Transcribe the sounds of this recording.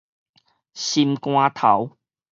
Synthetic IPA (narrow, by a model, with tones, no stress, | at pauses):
ɕi˧mkw̃ãː˧t̪ʰa˨˦w